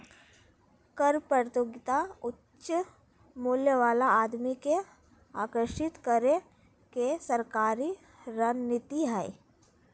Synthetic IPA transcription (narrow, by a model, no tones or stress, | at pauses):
kəɾpəɾt̪joːɡɪt̪aʊtːʃʃə | muːljəʋaːlaaːd̪mike | aːkəɾʃɪt̪kəɾe | kesəɾkaːɾi | ɾənnɪt̪iɦɛː